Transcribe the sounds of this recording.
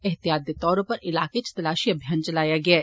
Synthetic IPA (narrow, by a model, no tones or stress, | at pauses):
ɛɦt̪ijaːd̪et̪ɔːɾ̃pɐɾʔɪlaːket͡ʃt̪ɐlaːʃiɐbʱjaːnt͡ʃɐlaːjaɡɐaː